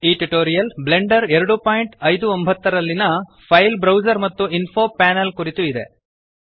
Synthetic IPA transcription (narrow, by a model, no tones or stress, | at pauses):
iːʈuʈoːɾijɐlble̞ɳɖɐɾɛɾɐɽupaːjɳʈɐjd̪uombʱɐt̪ːɐɾɐlːinɐ | pʰɐjlbɾɐwd͡ʒɐɾmɐt̪ːuinpʰoːpaːnɐlkuɾit̪uid̪e